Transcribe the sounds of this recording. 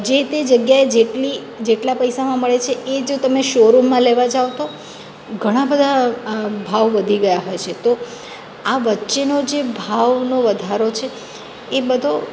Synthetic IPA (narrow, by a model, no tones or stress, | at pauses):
d͡ʒet̪ed͡ʒəɡjaed͡ʒeʈli | d͡ʒeʈlapəjsamãməɭet͡ʃʰeʔed͡ʒot̪əmeʃoɾumːãleʋad͡ʒaʋt̪o | ɡʱəɽ̃ãbəd̪ʱabʱaʋʋəd̪ʱiɡəjaɦojt͡ʃʰet̪o | aʋətːʃenod͡ʒebʱaʋnoʋəd̪ʱaɾot͡ʃʰeː | bəd̪ʱo